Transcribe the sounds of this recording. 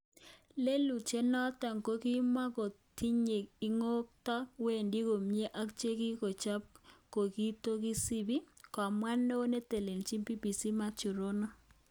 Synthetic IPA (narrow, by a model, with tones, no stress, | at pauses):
le˦lu˨t͡ʃe˦nɔ˦tɔ˨ŋko˦ki˦ma˦ko˨ti˦ɲe˨ki˦ŋo˦k̚tɔ˦we˦˨ndi˦ko˨mje˦ʔa˦kt͡ʃe˦ki˦ko˨t͡ʃa˦p̚ko˨ki˦to˦ki˦si˦bi˦kɔ˨mwa˦no˦ne˦te˨le˨nt͡ʃi˦mpi˦pi˨si˦ma˦t͡ʃu˨ɾo˦nɔ˦